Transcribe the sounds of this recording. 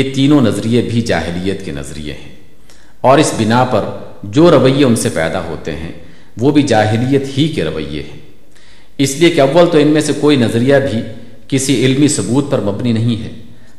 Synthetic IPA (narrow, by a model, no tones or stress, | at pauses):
et̪iːnõnɐzɾijebʱid͡ʒa̰ːɦɪlijət̪kenɐ̰zɾḭjḛɦɛ̰̃ː | ɔːɾɪsbɪnapɐɾ | d͡ʒoːɾɐʋəijːeʊnsepɛ̰ːd̪aɦo̰ːt̪ḛɦɛ̰̃ | ʋoːbʱid͡ʒaːɦɪlijət̪hikeɾɐ̰ʋə̰jːḛɦɛ̃ː | ɪsliekeɐʋːəlt̪oɪnmẽsekoːinɐzɾijabʱi | kɪsiɪlmisʊbuːt̪̚pɐɾmɐbninɐɦĩɦɛ̰ː